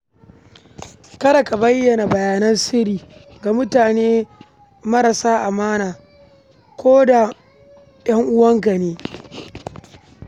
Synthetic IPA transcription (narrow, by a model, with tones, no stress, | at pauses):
kɐ˦ɽɐ˨ka˨bɐ˦jːɐ˨na˨bɐ˨jaː˨nɐ˦nsɪ˦ɾiː˨ | ɡa˨mʊ˦taː˨neː˦ | mɐ˦ɾa˨saː˦ʔa˨maː˦naː˨ | kʷoː˦da˨ | ɗɐ˦ŋʔʊ˦wɐ˦ŋka˨neː˦